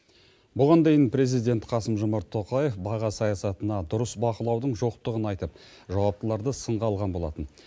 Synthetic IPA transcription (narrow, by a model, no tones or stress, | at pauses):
bʊʁɑnd̪e̞jɪnpɾe̞zijd̪e̞nt̪qʰɑsəmʒʊmɑɾt̪ʰːo̞qɑje̞fbɑʁɑsɑjɑsɑt̪ənɑd̪ʊɾəsbɑqəlˠɑwd̪əɴʒo̞qt̪əʁənɑjt̪əp̚ | ʒɑwɑp̚t̪əlˠɑɾd̪əsəɴʁɑlˠʁɑnbo̞lˠɑ̰t̪ən